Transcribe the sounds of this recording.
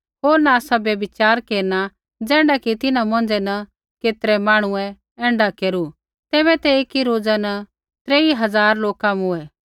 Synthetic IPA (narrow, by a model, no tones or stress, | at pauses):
ɦoːɾnaːsabjɐbɪt͡ʃaːɾkeːɾna | d͡zɛ̃ːɽakit̪ɪnãmɔ̃ːnd͡ʒɛnɐ | keːt̪ɾɛmaːɽ̃ʊɛ̃ | ɛ̃ːɳɖakeːɾu | t̪ɛːβɛt̪ɛeːkiɾoːd͡zanɐ | t̪ɾeːiɦɐzaːɾloːkãmuɛ